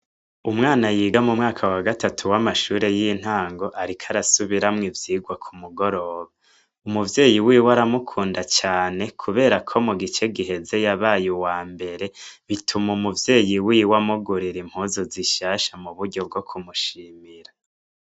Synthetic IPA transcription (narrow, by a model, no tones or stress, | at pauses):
umŋaːnajiːɡamumŋaːkʰawaɡatatʰuwamaʃuːɾe̞jin̥haːŋɡo̞ʔaɾikʰaɾasuβiɾamŋivjiːɡwakʰumuɡo̞ɾo̞ːβa | umuvje̞ːjiwiːwaɾamukʰuːndat͡ʃaːne̞kʰuβe̞ːɾakʰo̞muɡit͡ʃe̞ɡiɦe̞ze̞jaβaːjuwaːmbe̞ɾe̞βitʰumumuvje̞ːjiwiːwamuɡuɾiɾim̥huːzoziʃaːʃamuβuɾɟo̞b̚ɡo̞kʰumuʃiːmiɾa